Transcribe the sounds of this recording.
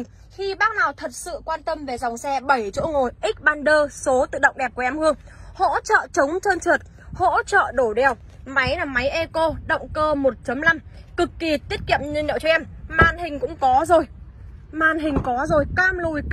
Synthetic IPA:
xi˧ɓaː˦˥naː˨˩wt̪ʰə˨˩t̚sɨ̰˧˨kwaː˧nt̪ə˧mve˨˩za˨˩wŋ͡msɛ˧ɓə˧˩jt͡ɕo̰˧˥ŋo˨˩jʔï˦˥k̚ɓaː˧nɗəː˧so˨˦t̪ɨ̰˧˨ɗə̰˧˨wŋ͡m̚ɗɛ˨˩p̚ku˧˩ʔɛ˧mhɨ˧əŋ | ho̰˧˥t͡ɕə̰ː˧˨t͡ɕə˨˦wŋ͡mt͡ɕəː˧nt͡ɕə˨˩t̚ | ho̰˧˥t͡ɕə̰ː˧˨ɗo˧˩ɗɛ˨˩w | ma˨˦jlaː˨˩ma˨˦jʔɛ˧ko˧ɗə̰˧˨wŋ͡mkəː˧mo˨˩t̚t͡ɕə˨˦mla˧mkɨ˨˩kːi˨˩t̪i˦˥t̚kḭ˧˨əmɲə˧nɗḭ˧˨wt͡ɕɔ˧ʔɛ˧mmaː˨˩nhï˨˩ŋ̟kʊ̰˧˥ŋ͡mkɔ˨˦zo˨˩j | maː˨˩nɦï˨˩ŋ̟kɔ˨˦zo˨˩jkaː˧mlu˨˩j

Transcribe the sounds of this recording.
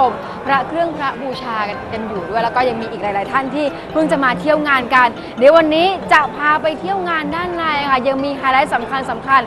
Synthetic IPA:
o˨˩m | pʰɾa˦˥kʰɾɯ˥˩əŋpʰɾa˦˥buː˧t͡ɕʰaː˧ka˧nka˧njuː˨˩du˥˩əjlɛː˦˥wkɔː˥˩ja˧ŋmiː˧ʔːkɾa˧˦jlaː˨˦jt̪ʰa˥˩nt̪ʰiː˥˩ | pʰɯ˥˩ŋt͡ɕa˨˩maː˧t̪ʰi˦˥˩əwŋaː˧nka˧n | deː˨˩˦ə˦wa˧nːiː˦˥t͡ɕa˨˩ʔpʰaː˧pa˧jt̪ʰi˥˩əwŋaː˧ndaː˥˩nɾaː˧jʔa˨˩kʰa˦˥˩ja˧ŋmiː˧kʰaː˧jɾa˦˥sa˩˦mkʰa˧nsa˩˦mkʰa˧n

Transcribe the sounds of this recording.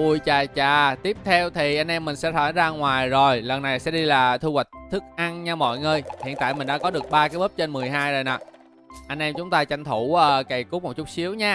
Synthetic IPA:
vu˨˧˩əjt͡ɕaː˨˩t͡ɕaː˨˩t̪i˦˥əp̚t̪ʰɛ˧wt̪ʰi˨˩ʔa˧jŋʔɛ˧mːï˨˩ŋ̟sɛ̰˧˥t̪ʰɔː˧˩zaː˧ŋwaː˨˩jzo˨˩jlə˨˩nːa˨˩jsɛ̰˧˥ɗi˧laː˨˩t̪ʰu˧wa˨˩jk̚t̪ʰːɨ˦˥k̚ʔa˧nɲa˧mɔ̰˧˨jŋəː˧˩jhḭ˧˨ənt̪a̰ː˧˨jm˨˩ɗa̰ː˧kɔ˨˦ɗɨ˨˩ək̚ɓaː˧kaː˨˦jməː˦˥p̚t͡ɕe˧nmɨ˨˩əjɦaː˧jzoː˨˩jna̰˨˩ | ʔa˧jŋ̟ʔɛ˧mt͡ɕʊ˨˦ŋ͡mt̪aː˧t͡ɕa˧jŋ̟t̪ʰu˧˩ʔəː˧˩ke˨˩jku˦˥k̚mo˨˩t͡ɕʊ˦˥k͡p̚si˨˦əwɲaː˨˧

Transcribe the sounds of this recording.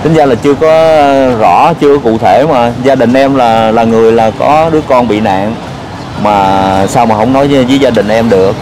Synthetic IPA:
t̪ï˨˦ŋ̟zaː˧laː˨˩t͡ɕɨ˧əkɔ˨˦zɔ˧˩t͡ɕɨ˧əkɔ˨˦kṵ˧˨t̪ʰe˧˩maː˨˩zaː˧ɗï˨˩ŋ̟ʔɛ˧mlaː˨˩laː˨˩ŋɨ˨˩əjlaː˨˩kɔ˨˦ɗɨ˨˦əkɔ˧nɓḭ˧˨na̰ː˧˨n | maː˨˩saː˧wmaː˨˩ɦə˧˩wŋ͡mnɔ˨˦jzɨ˨˦jzaː˧ɗï˨˩ŋ̟ʔɛ˧mɗɨ˨˩ək̚

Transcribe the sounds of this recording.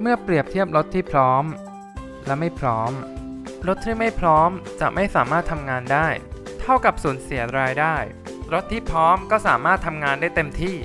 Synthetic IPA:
mɯ˥˩ɐpɾi˨˩əp̚t̪ʰi˥˩əp̚ɾo˦˥t̪ʰːiː˥˩pʰɾɔː˦˥m | lɛ˦˥ma˥˩jpʰɾɔː˦˥m | ɾo˦˥t̪̚ʰːiː˥˩ma˥˩jpʰɾɔː˦˥mt͡ɕa̰˨˩ʔmʔa˥˩jsaː˩˦maː˥˩t̪ʰːa˧mŋaː˧ndaː˥˩j | t̪ʰa˥˩wka˨˩p̚suː˩˦nsi˩˦ɐɾaː˧jdaː˥˩j | ɾo˦˥t̪ʰːiː˥˩pʰɾɔː˦˥mkɔː˥˩saː˩˦maː˥˩t̪ʰːa˧mŋaː˧ndaː˥˩jt̪e˧mt̪ʰiː˥˩

